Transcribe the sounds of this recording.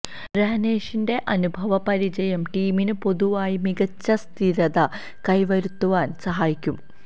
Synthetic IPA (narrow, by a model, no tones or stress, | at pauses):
ɾeɦɐne̞ːʂinde̞ʔɐnubʱɐʋɐpɐɾid͡ʑɐjɐmʈiːminɨpo̞ðuʋaːjimiɡɐt͡ɕːɐst̪ʰiɾɐðɐ | kɐjʋɐɾut̪ːuʋaːnsɐɦaːjikʲːum